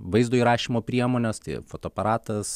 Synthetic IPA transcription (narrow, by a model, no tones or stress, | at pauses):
ʋɐɪzd̪oːiɾɑːʃʲiːmoːpʲɾʲiɛmoːnʲɛst̪ɐ̰ɪfoːt̪oːɐpɐɾɑːt̪ɐs